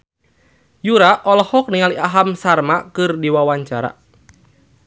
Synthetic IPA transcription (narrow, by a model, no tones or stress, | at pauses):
juɾaʔɔlɔhɔk̚niŋaliʔaɦamsarmakɨrdiwawaɲt͡ʃaɾa̰